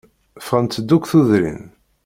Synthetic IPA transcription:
fʁənt̪ːəd̪ːukʷθuðɾḭn

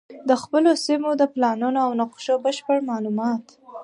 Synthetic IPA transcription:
d̪əxpəlosimod̪əplɑnunoawnʊqʃobəʃpəɽmɑlumɑt̪

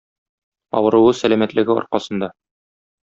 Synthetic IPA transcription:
ɒ̰wɤ̆ɾɤ̆wɤsælæmæt̪lɘ̆ɡɘɒ̰ɾqɑsɤ̆nd̪ɑ

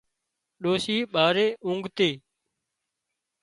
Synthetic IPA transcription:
ɗoːsiːɓaːɾeːʔʊ̃ŋɡʱt̪eː

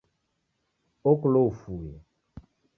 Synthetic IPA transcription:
okloufuje

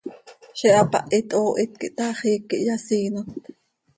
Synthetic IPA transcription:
ʃɛʔapɑ̰ʔit̪ʼʔoːʔit̪̚kiʔt̪aχiːkːiʔjasiːnot̪̚

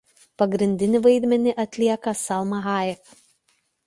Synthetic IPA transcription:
pɐɡɾʲɪnʲd̪ʲɪnʲɪʋɐɪd̪ʲmʲɛnʲɪʔɐt̪ʲlʲiɛkɐsɑlˠmɐɣɑːjɪk

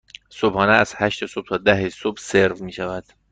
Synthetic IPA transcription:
sobhɒːneæz̥hæʃt̪esob̚t̪ʰɒːd̪æɦesobseɾvmiːʃævæd̪̥

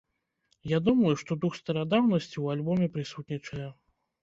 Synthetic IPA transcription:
jad̪umɐjuʂt̪ɔd̪uxst̪ɐɾad̪awnɐsʲt͡sʲiwalʲbɔmʲɛpɾɨsut̪nʲit͡ʂɐjɛ

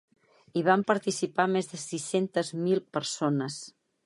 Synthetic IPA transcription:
iβ̞ampəɾt̪isipamezðəsisent̪əzmilˠpəɾsonəs

